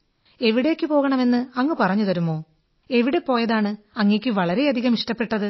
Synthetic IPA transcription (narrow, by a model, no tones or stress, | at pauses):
e̞ʋiɽe̞kʲːɨpo̞ːɣɐɳɐme̞nːɨɐŋːɨpɐrɐɲːut̪ɐɾumːoː | e̞ʋiɽepo̞ːjɐðaːɳɨ | ɐŋːekʲːɨʋɐɭɐɾe̞ɐd̪ʱiɣɐmiʂʈɐpːe̞ʈːɐðɨ